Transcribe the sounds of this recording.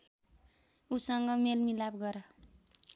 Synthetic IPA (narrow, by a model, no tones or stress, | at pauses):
usʌŋɡʌmelmilabɡʌɾʌ